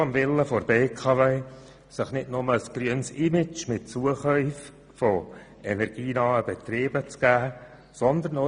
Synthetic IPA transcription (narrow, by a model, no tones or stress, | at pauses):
ɑmvɪləfoɾbeːkʰɑveː | sɪχnɪtnʊməəsɡ̥ɾryənsɪmɪt͡ʃmɪt̚t͡suəχœʏf | fo | ɛnɛɾɡ̥iːnɑːəb̥ɛt̪reːb̥ət͡sɡ̥æː | sɔnd̪əɾno